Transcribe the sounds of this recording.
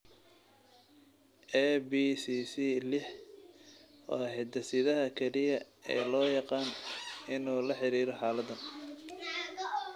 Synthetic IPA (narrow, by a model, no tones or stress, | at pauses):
ʔɛbisiːsiːlɪħ | ɔ̰ːhɛt̪ɐsɪðɐɦɐkʰɛlɪjɐ | ɛ̰ːlɔːjɑqɑːnɪnuːlɐħɪɾiːɾɔħɑːlɐd̪ɐn